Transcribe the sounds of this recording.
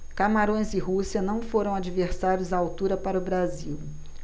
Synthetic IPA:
kamaɾõj̃zɪɦusiɐnɐ̃w̃foɾɐ̃w̃ad͡ʒiveɾsaɾjʊzɐawt̪uɾɐpaɾʊbɾaziw

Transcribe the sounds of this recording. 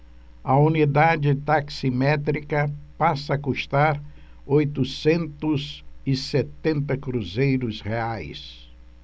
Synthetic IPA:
ɐunid̪ad͡ʒɪt̪aksimɛt̪ɾikɐpasɐːkuʃt̪aɾ | ojt̪ʊsẽnt̪ʊzɪset̪ẽnt̪ɐkɾuzejɾʊsheajs

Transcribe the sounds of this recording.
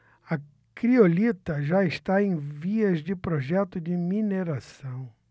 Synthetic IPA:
ɐ | kɾiolit̪ɐʒaɪst̪aẽj̃viɐzd͡ʒɪpɾoʒɛt̪ʊd͡ʒɪmineɾasɐ̃w̃

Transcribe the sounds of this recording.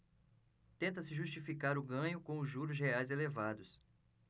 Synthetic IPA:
t̪ẽnt̪ɐsɪʒust͡ʃifikaɾʊɡɐ̃ɲʊkõw̃ʊʒuɾʊz̬heajzelevad̪ʊs

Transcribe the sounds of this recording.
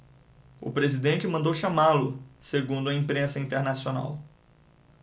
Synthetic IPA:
ʊ̰pɾezid̪ẽnt͡ʃɪmɐ̃nd̪owʃamalʊseɡũd̪ʊɐĩpɾẽsɐĩnt̪eɾnasiona̰w

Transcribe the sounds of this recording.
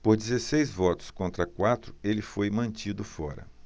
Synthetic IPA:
poɾd͡ʒizesejzvɔt̪ʊ̥skõnt̪ɾɐkwat̪ɾʊelɪfojmɐ̃nt͡ʃid̪ʊfɔɾɐ̰

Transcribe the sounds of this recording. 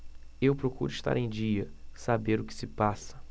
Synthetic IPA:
ewpɾokuɾʊiʃt̪a̰ɾẽj̃d͡ʒiɐsabeɾʊkɪ̥sɪpasɐ̥

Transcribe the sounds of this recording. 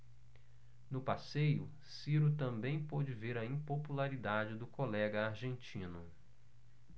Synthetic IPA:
nʊpasejʊ | siɾʊt̪ɐ̃mbẽj̃pod͡ʒɪveɾɐĩpopulaɾid̪ad͡ʒɪd̪ʊkolɛɡɐaɾʒẽnt͡ʃĩnʊ

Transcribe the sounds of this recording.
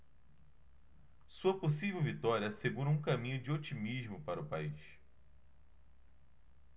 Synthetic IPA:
suɐposivewvit̪ɔɾiɐseɡuɾɐũkɐmĩɲʊd͡ʒɪot͡ʃimiʒmʊpaɾɐʊpaiʃ

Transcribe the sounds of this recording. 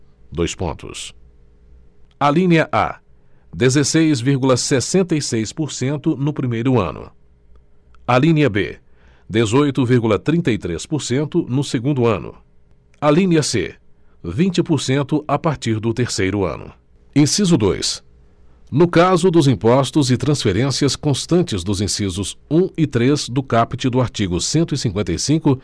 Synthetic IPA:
d̪ojspõ̰nt̪ʊ̰s | alĩniɐʔa̰ | d̪ezesejzviɾɡulɐsesẽnt̪ɐjsejspoɾsẽnt̪ʊnʊpɾimejɾʊɐ̰̃nʊ̰ | ɐlĩniɐbḛ | d̪ezojt̪ʊviɾɡulɐt̪ɾĩnt̪ɐit̪ɾespoɾsẽnt̪ʊnʊseɡũnd̪ʊɐ̃nʊ̰ | alĩniɐsḛ | vĩnt͡ʃɪpoɾsẽnt̪ʊʔapaɾt͡ʃiɾd̪ʊt̪eɾsejɾʊɐ̰̃nʊ̰ | ẽsizʊd̪o̰js | nʊkazʊd̪ʊzĩpɔst̪ʊzɪt̪ɾɐ̃sfeɾẽsiɐskõst̪ɐ̃nt͡ʃɪzd̪ʊzĩsizʊzũɪt̪ɾezd̪ʊkapit͡ʃɪd̪ʊaɾt͡ʃiɡʊsẽnt̪ʊisĩŋkwẽnt̪ɐjsĩkʊ

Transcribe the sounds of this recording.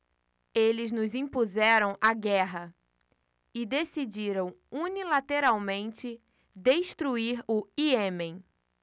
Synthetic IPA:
elɪznʊzĩpuzɛɾɐ̃w̃aɡɛɦɐ | ɪd̪esid͡ʒiɾɐ̃w̃unilat̪eɾawmẽnt͡ʃɪ | d̪eʃt̪ɾuiɾʊiemẽj̃

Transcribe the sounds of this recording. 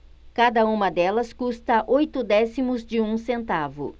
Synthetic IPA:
kad̪ɐũmɐd̪ɛlɐskust̪ɐʔojt̪ʊd̪ɛsimʊzd͡ʒɪũsẽnt̪avʊ̰

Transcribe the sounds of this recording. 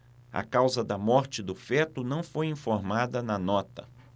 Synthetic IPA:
ɐ̰kawzɐd̪ɐmɔɾt͡ʃɪd̪ʊfɛt̪ʊnɐ̃w̃fojĩfoɾmad̪ɐnɐnɔt̪ɐ

